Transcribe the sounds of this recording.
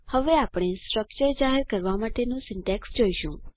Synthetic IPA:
həʋeapɽ̃esʈɾəkt͡ʃəɾd͡ʒaɦeɾkəɾʋamaʈenũsɪɳʈɛksd͡ʒoiʃṵ̃

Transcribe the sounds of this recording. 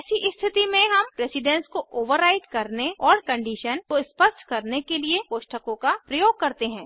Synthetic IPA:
siʔɪst̪ʰɪt̪imẽɦɐmpɾeːsɪɖɛ̃nskoʔoːʋəɾːaɪʈkɐɾneɔːɾkɐ̃ɳɖiːʃənkoɪspəʃʈkɐɾnekeliepoːʃʈəkõkapɾɐjoːɡ̚kɐɾt̪eɦɛ̃ː

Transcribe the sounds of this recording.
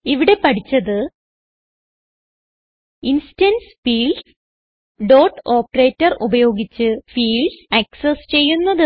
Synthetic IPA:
iʋiɽe̞pɐʈʰit͡ɕːɐðɨ | insitɐnsfiːl | ɖo̞ːrʈo̞ːpːɐre̞ːtːɐrubɐjo̞ːɡit͡ɕːɨfiːlɖɐksest͡ɕe̞jːunːɐðɨ

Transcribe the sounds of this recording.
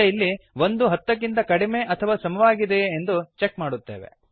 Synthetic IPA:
jilːiʋo̞nd̪uɦɐt̪ːɐk̬ːint̪ɐkɐɽime̞ʔɐt̪ʰɐʋaːsɐmɐʋaːɡid̪e̞ːnd̪ut͡ʃe̞kmaːɽut̪ːe̞̰ːʋḛ

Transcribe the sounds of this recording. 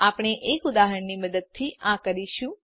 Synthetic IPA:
apɳ̃eʔekʊd̪aɦəɳniməd̪əd̪̚t̪ʰiãkəɾiʃũ

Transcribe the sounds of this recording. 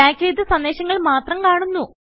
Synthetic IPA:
aːkʲʰɾeːd̪ɨsɐnd̪eːɕɐŋːɐɭmaːt̪rɐmkaːɳunːu

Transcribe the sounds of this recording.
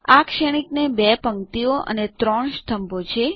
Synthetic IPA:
akʃəɽ̃iknebɛpəŋt̪ioʔə̰net̪ɾɔɳʃt̪ʰəmbot͡ʃʰe

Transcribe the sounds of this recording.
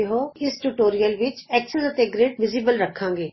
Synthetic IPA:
eɦoːɪsʈuːʈoːɾijəlʋɪt͡ʃɛːksəsət̪eːɡɾeːɖʋɪziːbəlɾəkʰãːŋɡeː

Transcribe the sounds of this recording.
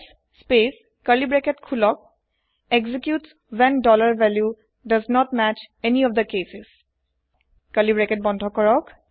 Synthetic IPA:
spes | kəlibɹɛketkʰulɔk̚ | eɡzikjuts | wɛ̃ndɔlaɹvɛlju | dʌznɔt̚mæt͡ʃɛniɔfd̪əkesɪs | kəlibɹɛket̚bɔ̃ndʱɔkɔɹɔk

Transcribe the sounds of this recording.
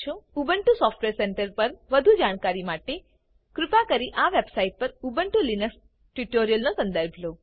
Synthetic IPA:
ʃʰoubəɳʈusɔfʈʋeɾseɳʈəɾpəɾʋəd̪ʱud͡ʒaɽ̃kaɾimaʈe | kɾʊpakəɾiʔaʋebsaiʈ̚pəɾubəɳʈulinəks | ʈʋiʈoɾijəlnosə̃nd̪əɾbʱlo

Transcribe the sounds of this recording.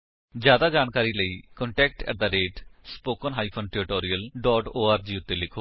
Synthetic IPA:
d͡ʒjaːd̪aːd͡ʒaːnkaːɾiːləiːkɔ̃ɳʈɛːk̚ʈɛ̰d̪aːɾeːʈspoːkənɦaːiːpʰonʈɪɾɪʈoːɾijəlɖɔːʈoːaːɾd͡ʒiːʊt̪ːeːlɪkʰoː

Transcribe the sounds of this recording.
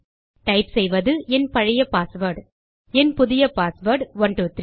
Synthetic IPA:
ʈɐɪpsɛjʋɐðɯʔɛnpɐɻɪjɐpaːsʋɐɾɖ | ɛnpʊðɪjɐpaːsʋɐɾɖʋɐɳʈuːt̪ri

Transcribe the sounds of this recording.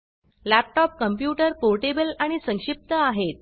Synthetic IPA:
læp̚ʈɔp̚kəmpjuʈəɾpoɾʈebəlaɽ̃isə̃ŋʂip̚t̪əaɦet̪̚

